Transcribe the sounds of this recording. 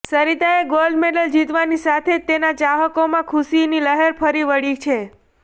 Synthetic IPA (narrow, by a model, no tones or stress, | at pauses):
səɾit̪aeɡolɖmeɖəld͡ʒit̪ʋanisat̪ʰet̪enat͡ʃaɦəkomãkʰusiniləɦeɾpʰəɾiʋəɽit͡ʃʰe